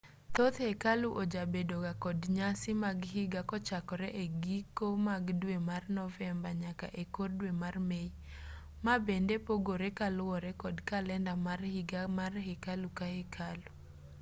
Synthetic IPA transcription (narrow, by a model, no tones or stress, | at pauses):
t̪ot̪hekaluʔod͡ʒabedoɡakɔdɲasɪmaɡhɪɡakɔt͡ʃakɔɾɛʔeɡikomaɡdwemarnɔvɛmbaɲaka̰ʔekordwemarmei | mabendepoɡoɾekalwɔɾɛkɔdkalɛndamarhɪɡamarhekalukahekʰalu